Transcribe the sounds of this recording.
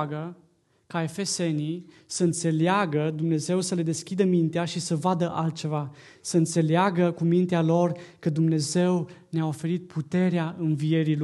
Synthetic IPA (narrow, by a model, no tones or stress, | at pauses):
ɡə | kae̞fe̞se̞nisəɨnt̪se̞leaɡəd̪umne̞ze̞wsəle̞d̪e̞skʲid̪əmint̪eaʃisəvad̪əʔalt̪̚t͡ʃe̞va | səɨnt̪se̞leaɡəkumint̪ealo̞rkəd̪umne̞ze̞wneao̞fe̞ɾit̪̚pʰut̪e̞ɾeaɨnvie̞ɾil